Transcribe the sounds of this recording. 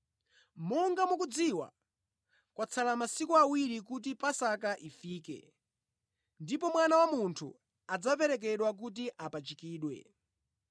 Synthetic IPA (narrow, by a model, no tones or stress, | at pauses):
mɔŋɡamukud͡ziwa̰ | kwʔat͡sʰalamasikuawiɾik̬ut̬ipasakaʔifiːkɛ̰ | ndipɔmwanawamuntʰṵ | ad͡zap̬ɛɾɛk̬ɛɗwak̬ut̬iʔapat͡ʃikiːɗwɛ̰